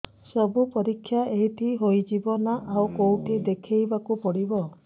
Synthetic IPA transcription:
sɔbupɔɾikʰːjaeɦiʈʰiɦojd͡ʒibɔnaʔawkowʈid̪ekʰejbakupɔɽibɔ

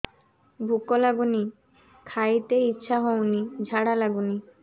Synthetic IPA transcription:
bʱukolaɡuni | kʰajt̪eitːɕʃʰaɦownid͡ʑʱaɽalaɡuni

